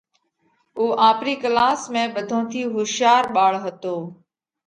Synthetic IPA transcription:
uːʔãːpɾiːkəlaːsmẽːɓəd̪ʱõːt̪ʰiːɦʊʃjaːɾɓaːɭɦət̪oː

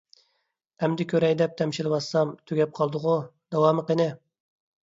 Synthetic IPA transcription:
ɛmd̪ɪkʲʰøɾɛjd̪ɛp̚t̪ʰɛmʃilwɑsːɑmt̪ʰyɡʲɛp̚qʰɑlˠd̪ʊʁʊd̪̥ɑwɑːmɨqənɪ

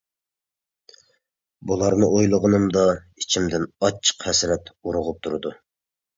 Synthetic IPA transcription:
bulˠɑɾnɨʔojlˠʊʁənɨmd̪ɑ | it͡ʃʰimd̪ɪnɑt͡ʃʰːə̥qhɛsɾɛt̪uɾʊʁʊp̚t̪ʰuɾɨd̪u

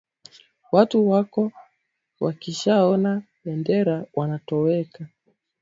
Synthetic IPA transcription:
watuwakɔ | wakiʃaɔna | ɓɛndɛɾawanatɔwɛka

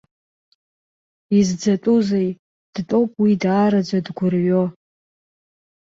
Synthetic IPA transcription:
izd͡zatʼuzej | d̥tʼo̞wpʼwidaːɾad͡ʒʷadɡʷʊrɥo

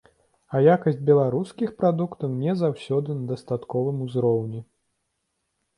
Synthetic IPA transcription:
ɐjakɐsʲd͡zʲbʲɛlˠaɾuskʲixpɾad̪ukt̪ɐwnʲɛzawsʲɔd̪ɨnɐd̪ɐst̪at̪kɔvɨmuzɾɔwnʲi

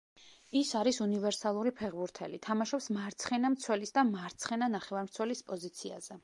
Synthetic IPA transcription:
isaɾisunivɛɾsalˠuɾipʰɛʁbuɾt̪ʰɛ̰lit̪ʰamaʃɔpsmaɾt̪sʰχɛnamt̪sʰwɛlisd̪amaɾt̪sʰχɛnanaχɛvaɾmt̪sʰwɛlispʼɔzit̪sʰia̰z̥ɛ

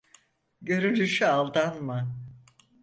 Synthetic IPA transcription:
ɟø̞ɾynt̪yʃyalˠd̪anma

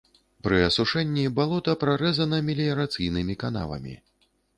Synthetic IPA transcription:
pɾɨɐsuʂɛnʲːibalˠɔt̪ɐpɾaɾɛzɐnɐmʲɛlʲijɐɾat̪sɨjnɨmʲikan̪a̰lˠɐ̰mʲḭ

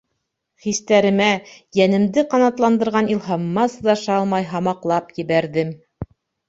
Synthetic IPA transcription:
χist̪æɾɘ̆mæjænɘ̆md̪ɘqɑnɑt̪lˠɑnd̪ɤ̆ɾʁɑnilˠɦɑmːɑsɤðɑʃɑlˠmɑjɦɑmɑqlˠɑpjɘ̆βæɾðɘm

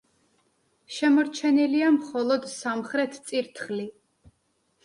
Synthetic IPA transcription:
ʃɛmɔɾt͡ʃʰɛniliamχɔlˠɔd̪samχɾɛt̪ʰt̪sʼiɾt̪ʰχli

